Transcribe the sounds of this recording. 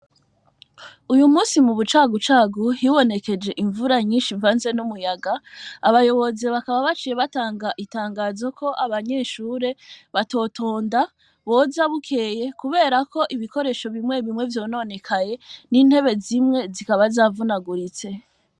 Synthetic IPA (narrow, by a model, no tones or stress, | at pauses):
ujumuːsimuβut͡ʃaːɡut͡ʃaːɡuhiwo̞ne̞ke̞d͡ʒe̞ʔiɱvuɾaɲiːnʃivaːnze̞numujaɡaaβajo̞βo̞zeβakaβaβat͡ʃiːje̞βataːŋɡaʔitaːŋɡaːzokʰo̞ʔaβaɲe̞ʃuːɾe̞βato̞ːtʰo̞ːnda | βo̞zaβukʰe̞ːje̞kuβe̞ːɾako̞ʔiβiko̞ɾe̞ːʃo̞βimŋe̞βimŋe̞vjo̞ːno̞ne̞kʰaje̞niːn̥he̞βe̞zimŋe̞zikaβazaːvunaɡuɾit͡se̞